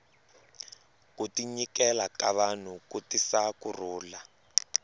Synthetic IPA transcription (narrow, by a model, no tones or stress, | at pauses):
kutiɲikɛlakaβan̤ukutisakur̤uːla